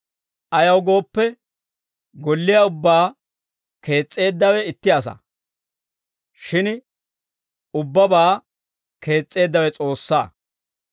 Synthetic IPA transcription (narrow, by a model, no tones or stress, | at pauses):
ʔɐjɐwɡo̞ːpːɛ | ɡɔlːɪjɐʊbːaː | ke̞ːt͡sʼːe̞ːd̪ːɐwɛɪt̪ːɪɐs̬ɐ̰ | ʃɪn | ʊbːɐbaː | ke̞ːt͡sʼːe̞ːd̪ːɐwɛt͡sʼo̞ːsːa̰ː